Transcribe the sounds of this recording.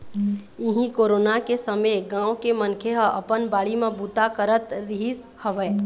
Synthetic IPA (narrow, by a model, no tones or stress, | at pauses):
ɪɦĩkoːɾoːnakesəmeɡãːwokemənkʰeɦəʔəpənbaːɭimẽbut̪akəɾət̪ɾiɦis | həʋɛː